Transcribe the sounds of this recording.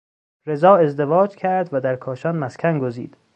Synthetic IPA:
ɾe̞zɒːe̞zd̪e̞vɒːd͡ʒcʰæɾd̪væd̪æɾkʰɒːʃɒnmæskʲʰænɡozḭːd̪̥

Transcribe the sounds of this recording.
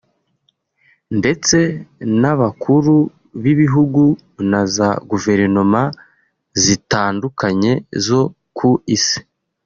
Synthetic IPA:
nde̞t͡se̞naβakʰuɾu | βiβiɦuɡu | nazaɡuve̞ɾino̞ma | zitaːndukaɲe̞zo̞ | kʰuisi̥

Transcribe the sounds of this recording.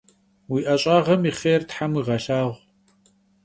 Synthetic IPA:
wiːʔɐɕʼaːʁɐmiχeːrtħamwiʁɐɬaːʁʷ

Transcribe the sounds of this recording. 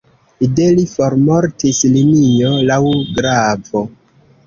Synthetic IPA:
ide̞lifo̞ɾmo̞ɾtislinio̞lawɡɾavo̞

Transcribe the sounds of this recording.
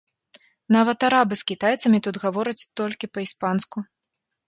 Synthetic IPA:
navɐt̪aɾabɨskʲit̪ajt̪sɐmʲit̪ut̪ɣavɔɾɐt͡sʲt̪ɔlʲkʲipɐispansku

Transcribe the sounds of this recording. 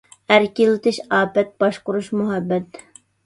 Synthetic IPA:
æɾkʲilɪt̪ʰɪʃɑːpɛt̪̚b̥ɑʃqʊɾuʃmuɦɛbːɛt̪

